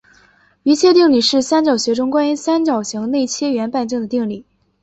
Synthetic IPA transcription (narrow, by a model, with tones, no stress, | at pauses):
y˧˥t͡ɕʰjɛ˥t̪̬i˥˩ŋli˨˩ʂɻ̩˥˩sa˥nt͡ɕjɑ˨˩ʊɕɥɛ˧˥ʈ͡ʂʊ˥ŋkwa˥ny˧˥sa˥nt͡ɕjɑ˨˩ʊɕi˧˥ŋne˥˩ɪt͡ɕʰjɛ˥ɥɛ˧˥npa˥˧nt͡ɕi˥˩ŋd̪ə˩t̪i˥˧ŋli˨˩˦